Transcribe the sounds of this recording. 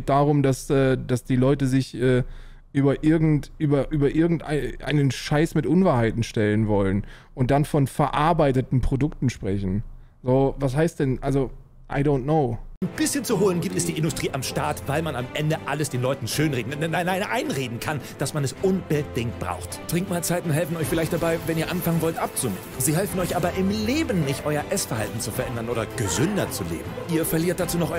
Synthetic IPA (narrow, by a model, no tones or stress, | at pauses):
ɡ̥eːt̚d̥aːʁʊmdasʔɛːd̥asd̥iːlɔʏtəzɪçʔɛː | ʔyːbɐʔɪɐɡŋ̩tʔyːbɐʔyːbɐʔɪɐɡŋ̩tʔa̰ɪʔa̰ɪnənʃaɪsmɪtʔʊnvaɐɦaɪtn̩ʃtɛlənvɔlən | ʔʊntd̥anfɔnfɛɐʔaɐbaɪtətn̩pʁ̥odʊktn̩ʃpʁ̥ɛçn̩ | zoːvashɦaɪst̚d̥ɛnʔalzo | ʔaɪdoʊntnoʊnb̥ɪsçənt͡suɦoːlənɡiːp̚tɛsd̥iːɪndʊstʁ̥iːʔamʃtaɐtvaɪlmanamʔɛndəʔaləsd̥eːnlɔʏtn̩ʃøːnʁeːdn̩nnaɪnːaɪnʔaɪnʁeːdn̩kʰand̥asmanɛsʔʊnb̥əd̥ɪŋkt̚b̥ʁa̰ʊxttʁ̥ɪŋkmaːlt͡saɪtʊn̩ɦɛlfn̩ʔɔʏçfɪlaɪçt̚d̥abaɪvɛniːɐʔanfaŋənvɔltʔap̚t͡sʊmeːn̩ziːɦɛlfn̩ɔʏçʔaːbɐʔɪmleːbən̩ːɪçtʔɔʏɐʔɛsfɛɐhaltn̩t͡sufɛɐʔɛndɐnʔoːɾɐɡ̥əzʏndɐt͡sulḛːbm̩ʔiːɐfɛɐliːɐt̚d̥at͡suːnɔχʔɔ